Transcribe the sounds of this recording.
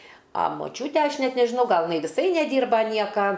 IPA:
ɐ moːˈt͡ʃʲuːtʲɛ ˈɐʃ ˈnʲɛt nʲɛʒʲɪˈnɐʊ ˈɡɐlˠ jɪˈnɐɪ ʋʲɪˈsɐɪ nʲɛˈdʲiːrbɐ ˈnʲiɛkɐ

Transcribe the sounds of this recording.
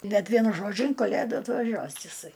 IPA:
bʲɛt ˈʋʲiɛnʊ ˈʒoːd͡ʒʲʊ ɪn kɐˈlʲeːduː ɐtʋɐˈʒʲuɔs ɪˈsɐɪ

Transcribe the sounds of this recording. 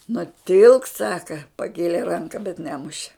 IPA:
nʊˈtʲɪlˠk ˈsɑːkɐ pɐˈkʲeːlʲeː ˈrɐŋkɐ bʲɛt ˈnʲæːmʊʃʲɛ

